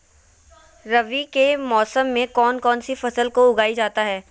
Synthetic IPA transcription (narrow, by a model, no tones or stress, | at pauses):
ɾɐʋikemɔːsəmːẽkɔːnkɔːnsifɐsəlkoʊɡaːid͡ʒaːt̪aɦɛː